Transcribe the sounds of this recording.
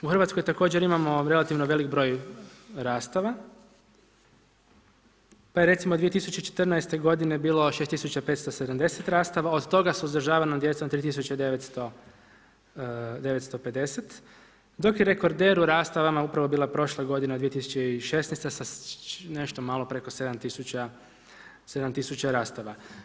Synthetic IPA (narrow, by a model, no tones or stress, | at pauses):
uxrʋat̪skojt̪ako̞ːd͡ʑeɾimamo̞ɾe̞lˠat̪iʋnoʋe̞likbɾo̞ːjɾaːst̪aʋa | pajeɾe̞t̪simod̪ʋiet̪isut͡ɕeit͡ʃe̥t̪ərnaest̪e̞ɡo̞d̪ine̞biːlˠo̞ʃest̪isut͡ɕapet̪st̪osed̪amd̪e̞set̪ɾaːst̪aʋao̞d̪t̪o̞ɡasuzd̪ɾ̩ʒaːʋanomd̪je̞t̪sot̪ɾiːt̪isut͡ɕed̪eʋet̪st̪o̞ | d̪e̞ʋet̪st̪o̞ped̪e̞set̪ | d̪o̞kjeɾe̞ko̞ɾd̪e̞ːɾuɾaːst̪aʋamaupɾaʋo̞biːlˠapɾo̞ʃlˠeɡo̞d̪ined̪ʋiet̪isu̥t͡ɕeiʃesnɛjst̪esane̞ʃt̪omaːlo̞pɾe̞ko̞se̞d̪amt̪isut͡ɕa | se̞d̪amt̪isut͡ɕaɾaːst̪aʋa